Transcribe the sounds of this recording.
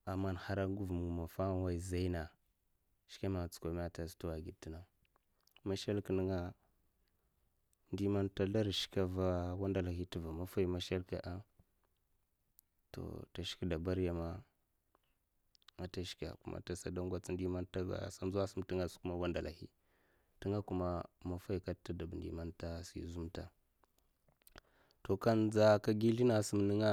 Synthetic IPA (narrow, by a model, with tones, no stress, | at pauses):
a˨mːa˦nha˦ɾa˦ŋɡu˦vmu˨ma˨fa˦wa˦i˨za˦i˦na˨ | ʃka˦ma˨t͡su̥˨kʷa˨m˦a˦ta˨stu˦wa˨ɡi˨ti˦na˦ | ma˦ʃa˦lki˨nə˦ŋa˦ | ndi˦ma˦nta˦ɮa˦ɾʃi̥˦ka˦va˦wa˦nda˨la˨hi˦ti˨va˨ma˦fa˦i˦ma˦ʃa˦lka˨ʔa˦ | to̰˨ta˨ʃi̥˦ki˦da˨ba˦ɾja˨ma˦ | a˨ta˦ʃi̥˦ka̰˨ku˦ma̰˨ta˨sa˨da˦ŋɡʷa˦t͡sndi˦ma˦nta˦ɡa̰˨sa˦m˦zu˦wa˦su˦mti˦ŋa˨sku˦ma˦wa˦nda˨la̰˨hḭ˦ | ti˦ŋa˦ku˦ma˦ma˨fa˦i˨ka˦ta˦da˨bn˨dḭ˨ma˦nta˦sḭ˨zu˦mta˨ | to˨ka˦nd͡za˦ka˦ɡi˦li˦na˨su˦mni˦ŋa˦